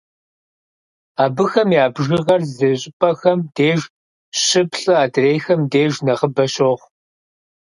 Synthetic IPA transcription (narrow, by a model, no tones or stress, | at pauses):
aːbɨxɐmjaːbʒɪʁɐrzɐɕʼɪpʼɐxɐmdeːʒ | ɕɪpɬʼɨaːdreːjxɐmdeːʒnɐʁəbɐɕoːʁʷ